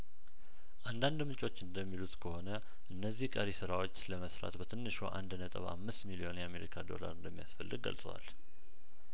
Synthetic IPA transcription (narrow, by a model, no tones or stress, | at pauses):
ʔand̪and̪mɨt͡ʃʼo̞t͡ʃːɨnd̪əmːilut̪ʼkʰəho̞nə | ʔɨnːəzːihkʼəɾisɨɾawo̞t͡ʃːləməsɾa̰t̪bət̪ʰɨnːɨʃo̰ʔa̰nd̪nət̪ʼəβa̰mːɨst̪milio̞njɛameɾikʰad̪o̞̰la̰ɾɨnd̪əmːijasfəlːɨɡ̚ːə̰lsʼəwa̰l